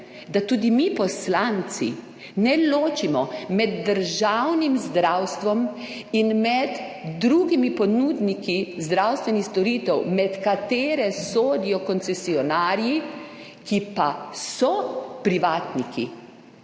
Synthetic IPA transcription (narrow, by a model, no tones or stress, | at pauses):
d̪at̪uːd̪imipɔslant̪sḭ | nɛloːt͡ʃimɔmɛd̪ːəɾʒawnimzd̪ɾawst̪ʋɔm | inmɛd̪ː | ɾuɡimipɔnuːd̪nikizd̪ɾawst̪ʋɛnixst̪ɔɾiːt̪ɛwmɛt̪kat̪eːɾɛsoːd̪ijɔkɔnsɛsiɔnaːɾji | kipasɔpɾiʋaːt̪nikḭ